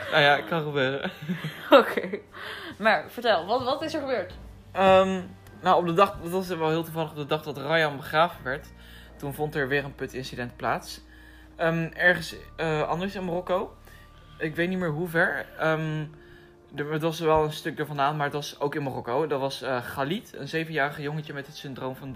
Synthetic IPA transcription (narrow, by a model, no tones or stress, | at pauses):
nʔawjaɪkkɑnχəbøːrə̰ | okʰejmaːɹfəɹtɛlˠʋɑtʋɑtɪsəɹχəbøːɹt | əm | nowɔb̚dədɑχdɑtʋɑsəʋɛlˠɦɪːlˠtuvɑləχɔp̚dədɑχdɑtrɑjɑnbəχraːvənʋɛɹt | tunvɔntɛɹʋɪːɹənpɵtɪnsidɛntplaːts | əːmɛɹχənsəʔɑ̰ndəɹsɪnmorɔkow | ɪkʋejtnitmɪːɹɦuvɛɹəm | əətʋɑsʋɛlˠənstɵk̚dəɹvɑnaːntmaːɹətʋɑsowkɪnmorɔkowdɑtʋɑsəχalitə̰nzejvənjaːrəχəjoŋəcəmɛtɦətsɪndrowmvɑn